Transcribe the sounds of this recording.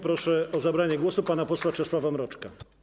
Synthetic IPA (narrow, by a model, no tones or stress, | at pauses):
pɾɔʂɛɔzabɾaɲɛɡwɔsupanapɔswat͡ʂɛswavamɾɔt͡ʂka